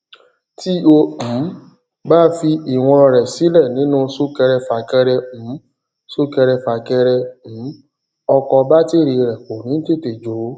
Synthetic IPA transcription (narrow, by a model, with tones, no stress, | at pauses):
ti˦õ˧˨˦ | ba˦fi˧i˨w̃ɔ̃˧ɾɛ˨si˨˦lɛ˦˨nĩ˨˦nũ˦so˦kɛ˧ɾɛ˧fa˨kɛ˧ɾɛ˧m̩˨˦ | so˦kɛ˧ɾɛ˧fa˨kɛ˧ɾɛ˧m̩˨˦ | ɔ˧kɔ˧ba˦te˦˨ɾi˧ɾɛ˨ko˨nĩ˨˦n̩˦te˦˨te˨d͡ʒo˨˦